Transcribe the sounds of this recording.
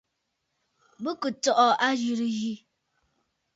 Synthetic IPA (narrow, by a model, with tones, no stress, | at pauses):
bə˦kə˨tɔ˦˨ʔɔ˨a˦d͡ʒi˨ɾi˨ji˦